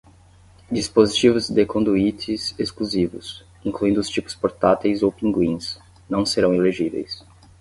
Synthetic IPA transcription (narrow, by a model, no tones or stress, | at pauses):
d͡ʒispozit͡ʃivʊzd̪ekõnd̪uit͡ʃɪzeskluzivʊ̰s | ĩkluĩnd̪ʊst͡ʃipʊ̥spoɾt̪at̪ejzowpĩŋɡwĩs | nɐ̃w̃seɾɐ̃w̃eleʒivḛjs